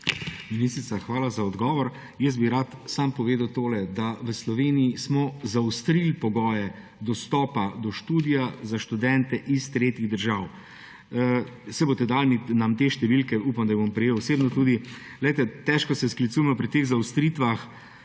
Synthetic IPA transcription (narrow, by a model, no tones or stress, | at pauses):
minist̪ɾit̪saxʋaːlazaɔd̪ɡɔːʋɔɾ | jəs̬biɾat̪sampɔʋeːd̪awt̪oːlɛd̪aʋəslɔʋeːnijismɔzawst̪ɾilpɔɡɔːjɛ | d̪ɔst̪ɔːpad̪ɔʃt̪uːd̪ijazaʃt̪ud̪ɛnt̪ɛʔist̪ɾeːt̪iɣd̪əɾʒaw | sɛbot̪ɛd̪aːlminamt̪eʃt̪ɛʋilkɛuːpamd̪ajbompɾɛjeːwsebnɔt̪uːd̪i | lɛjt̪ɛt̪ɛʃkɔsɛsklit̪suːjɛmɔpɾit̪eːɣzawst̪ɾit̪ʋax